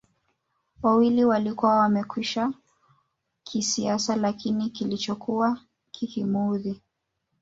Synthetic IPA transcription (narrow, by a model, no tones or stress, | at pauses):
wawiliwalikuwawamɛkwiʃa | kʰisiasalakinikilit͡ʃɔkuwa | kʰikimuði